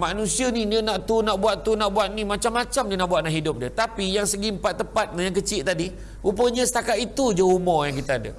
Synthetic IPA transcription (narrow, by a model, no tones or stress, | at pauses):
manũsianidiənaʔt̪unaʔbuat̪t̪unaʔbuat̪̚nimat͡ʃamːat͡ʃamdiənaʔbuat̪̚naʔɦidʊp̚diət̪apijaŋsəɡimpat̪ːəpat̪̚nəjaŋk̬ət͡ʃɪʔt̪adi | upəɲə̃sə̥t̪akat̪it̪ud͡ʒəumɔjaŋkit̪aada̰